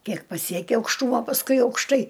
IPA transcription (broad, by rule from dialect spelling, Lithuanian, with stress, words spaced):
ˈkʲiɛk pɐˈsʲiɛkʲɪ ɐʊkʃˈtuːmoː pɐsˈkʊɪ ɐʊkʃˈtɐɪ